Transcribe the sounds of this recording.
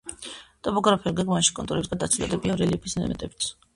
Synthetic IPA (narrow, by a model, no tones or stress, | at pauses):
t̪ʼɔpʼɔɡɾapʰɛulɡɛɡmaʃi̥kʼɔnt̪uɾɛbisɡad̪at̪sʰud̪lɛ̰d̪ɛbiavɾɛlipʰisnɛ̰mɛt̪ʼɛbi̥t̪s